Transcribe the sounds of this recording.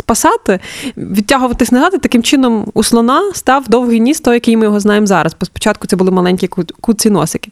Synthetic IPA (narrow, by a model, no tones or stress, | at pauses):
spɐsɑt̪ɪʋʲiaɦʊʋɐt̪ɪsʲnɐzɑt̪ɪt̪ɐkɪmt͡ʃɪnɔmuslˠɔnɑst̪ɑwd̪ɔwɦijnʲist̪ɔjɐkɪjmɪjɔɦɔznɑjemzɑɾɐzbɔspɔ̥t͡ʃɑt̪̚kʊt̪sɛbʊlˠɪmɐlˠɛnʲkʲikkut͡sʲinɔ̰sɪkʲɪ̥